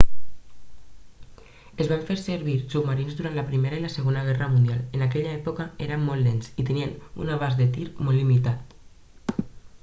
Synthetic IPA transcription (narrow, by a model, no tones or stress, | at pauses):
ezβaɱfeɾseɾβiɾsubmaɾinzðuɾant̪ləpɾimeɾailəsəɣonəɣ̞ɛrəmund̪ialenakɛʎaɛpokaeɾəmːɔlːensit̪əniənṵnaβ̞azðet̪iɾmɔllːimit̪at̪